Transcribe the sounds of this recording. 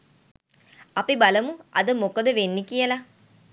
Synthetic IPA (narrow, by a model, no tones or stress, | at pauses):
ɐpibaləmuʔɐ̰d̪əmokod̪əʋenːikijəla